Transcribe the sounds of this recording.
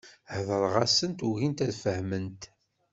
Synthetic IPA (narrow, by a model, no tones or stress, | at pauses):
hðəɾˤʁɑsənt̪uʝint̪æðfəhmənt̪